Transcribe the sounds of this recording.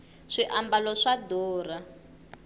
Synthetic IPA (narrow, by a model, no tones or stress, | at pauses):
ʂiʔambalɔʂadɔːra